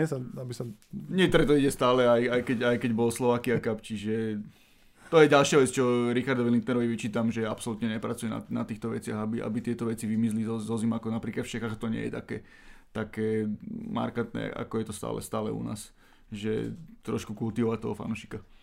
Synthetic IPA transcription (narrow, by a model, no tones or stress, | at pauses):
ɛsaabisaɲɪɛkt̪ɔɾɛt̪ɔiɟɛst̪aːlɛajajkɛɟajkɛɟbɔlslɔʋaːkiakapt͡ʃiʒɛ | t̪ɔjɛɟalʃɪaʋɛt͡st͡ʃɔɾixaɾd̪ɔʋilint̪nɛɾɔʋiʋit͡ʃiːt̪amʒɛapsɔlut̪ɲɛɲɛpɾat͡sujɛna̰na̰t̪iːxt̪ɔʋɛt͡sɪaɣabiʔa̰bit̪ɪɛt̪ɔʋɛt͡siʋimizlizɔzɔzimakɔnapɾiːklat̪ft͡ʃɛxaːɣat̪ɔɲɪɛ̰jɛ̰t̪akɛ̰ː | t̪akɛːma̰ɾkat̪nɛ̰ʔa̰kɔjɛt̪ɔst̪a̰ːlɛ̰st̪a̰ːlɛ̰ṵna̰ːs | ʒɛ̰t̪ɾɔ̰ʃkukult̪iʋɔʋat̪ɔɦɔfa̰nuʃi̥ka